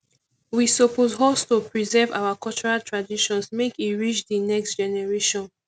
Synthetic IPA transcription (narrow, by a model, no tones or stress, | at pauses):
wisopozɦɔstopɹizɛva̰ʊwakɔlt͡ʃɔɹaltɹadiʃɔ̃nsmekiɹit͡ʃdinɛkstd͡ʒɛnɛɹeʃɔ̃n